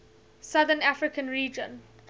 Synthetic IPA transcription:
sʌðənafɹɪkə̃nɹiːd͡ʒə̃n

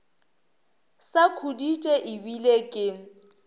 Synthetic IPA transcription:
sakʰuditʼɛʔɪbilekʼɪ

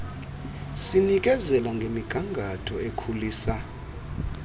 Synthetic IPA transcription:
sinik̬ʼɛzɛlaŋɡʱemiɡ̥ʱaŋɡʱatʰɔekʰuliːsa

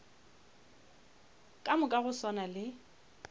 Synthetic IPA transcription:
kʼamʊkʼaɣʊsɔnalɪ

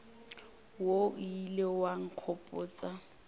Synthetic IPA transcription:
woilewaŋ̩q͡χʰɔpʼʊːt͡sʼa

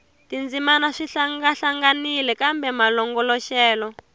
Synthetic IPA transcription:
tind͡zimanaʂiɬaŋɡaɬaŋɡanilɛkambɛmalɔŋɡɔlɔʃɛːlɔ

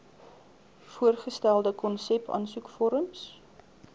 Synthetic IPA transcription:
fuərχəstælˠdəkɔnsɛpʰɐ̰nsukfɔɾəms

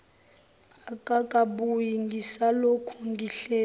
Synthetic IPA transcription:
akʼakʼaɓujiŋɡʱisalokʰuŋɡʱiɬɛː

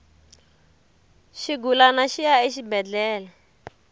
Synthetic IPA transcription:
ʃiɡulanaʃijaeʃibɛd͡ɮɛːla

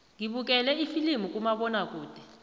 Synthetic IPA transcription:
ŋiɓuk̬ʼɛlɛifilimukʼumaɓɔnakʼuːd̥ʱɛ̥

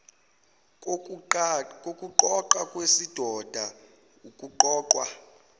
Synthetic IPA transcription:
kʼokʼuǃɔǃakʼwesid̥ʱɔd̥ʱa | ukʼuǃɔːǃwa̰

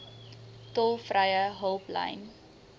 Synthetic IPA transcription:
tɔlˠfrəjəɦəlˠplə̰jn

